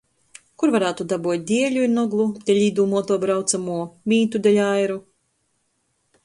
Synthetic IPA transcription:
kuɾvaɾaːt̪ud̪abuɔt̪̚ʲd̪ʲiɛlʲuiɾnɔɡlˠud̪̥ʲɛlʲiːd̪uːmɔt̪ɔbɾawt̪samuɔmʲiːt̪ud̪ʲɛlʲajɾu

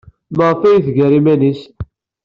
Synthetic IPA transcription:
məʁˤfæjiθɡæɾimænis

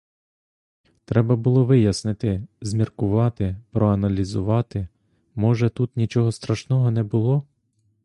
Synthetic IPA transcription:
t̪ɾɛbɐbʊlˠɔʋɪjɐsnɪt̪ɪzʲmʲirkʊʋɑt̪ɪpɾɔɐnɐlʲizʊʋɑt̪ɪ | mɔʒɛt̪ut̪nʲit͡ʃɔɦɔst̪ɾɐʃnɔɦɔnɛbʊlˠɔ

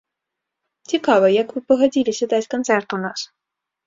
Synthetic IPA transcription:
t͡sʲikavəjakvɨpəɣɐd͡zʲilʲɪsʲɐd̪at͡sʲkɐnt̪sɛrt̪ʊnas

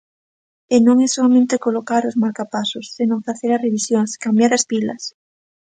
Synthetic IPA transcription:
enõŋɛsoamẽnt̪ekolokaɾozmaɾkapasʊsːenõŋfaθeɾareβisjoŋskambjaɾaspilɐ̰s

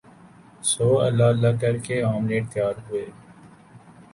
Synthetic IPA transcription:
soːə̰lːaːəlːakəɾkeaːmleːʈ̚t̪jaːɾɦʊeː

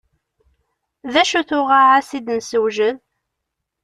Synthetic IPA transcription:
ðæʃuθʊʁaʕasid̪nsəwʒən

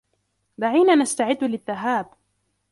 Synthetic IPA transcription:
d̪aʕiːnaːnast̪aʕɪd̪ːlɪðːaɦaːb

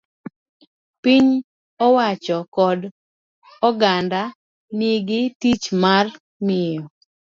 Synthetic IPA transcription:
piɲ | ɔwat͡ʃɔkɔd | ɔɡanda | niɡɪtit͡ʃmar | mɪjɔ

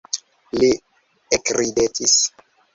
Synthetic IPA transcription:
li | ekɾidetʰis

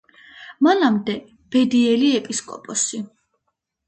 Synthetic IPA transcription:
manamd̪ɛ | b̥ɛd̪iɛliɛpʼiskʼɔ̰pʼɔsi

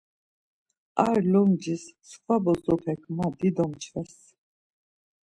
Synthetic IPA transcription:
aɾlɔmd͡ʒissχvabɔzɔpʰɛkʰmad̪id̪ɔmt͡ʃʰvɛs

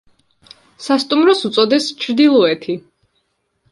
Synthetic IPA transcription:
sast̪ʼumɾɔsut̪sʼɔd̪ɛst͡ʃʰɾd̪ilˠɔɛt̪ʰi

